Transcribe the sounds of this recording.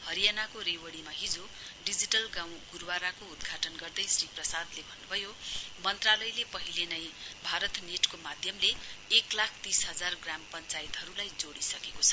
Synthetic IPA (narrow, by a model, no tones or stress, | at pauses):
hʌɾijanakoɾewʌɽimaɦid͡zo | ɖid͡ziʈʌlɡãw̃ɡurwaɾakoud̪ɡʱaʈʌnɡʌrd̪ʌjsriprʌsad̪lebʱʌnːubʱʌjomʌnt̪ralʌjlepʌɦilenʌjbʱaɾʌt̪neʈkomad̪ʱjʌmleːklakʰt̪isɦʌd͡zarɡrampʌnt͡sait̪ɦʌɾulajd͡zoɽisʌkekot͡sʰʌ